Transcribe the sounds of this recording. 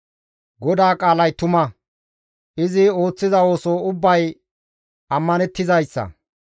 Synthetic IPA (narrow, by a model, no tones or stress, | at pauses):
ɡɔd̪aːkʼaːlɐjt̪ʊmɐ | ʔɪzɪo̞ːt͡sːɪzɐo̞ːsoːʊbːɐj | ɐmːɐnɛt̪ːɪzɐjsːɐ̰